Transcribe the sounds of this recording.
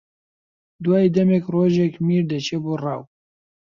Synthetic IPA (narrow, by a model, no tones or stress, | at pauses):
d̪waːid̪ɛmɛkroːʒɛkmiːɾd̪ɛt͡ʃʰeːbuːrɑːw